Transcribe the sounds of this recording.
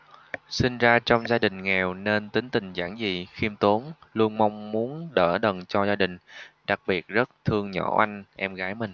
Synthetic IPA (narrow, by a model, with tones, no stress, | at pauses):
si˧nzaː˧t͡ɕɔ˧wŋ͡mzaː˧ɗï˨˩ŋ̟ŋɛ˨˩wne˧nt̪ï˨˦ŋt̪ï˨˩ŋ̟za̰ː˧˩ŋzi˨˩xi˧əmt̪o˨˦nlu˧ənma˧wŋ͡mmu˨˦ənɗəː˧˩ɗə˨˩nt͡ɕɔ˧zaː˧ɗï˨˩ŋ̟ɗa˨˩k̚ɓi˨˩ət̚zə˦˥t̚t̪ʰɨ˧əŋɲɔ̰˧˩ʔa˧jŋ̟ʔɛ˧mɣaː˨˦jmï˨˩ŋ̟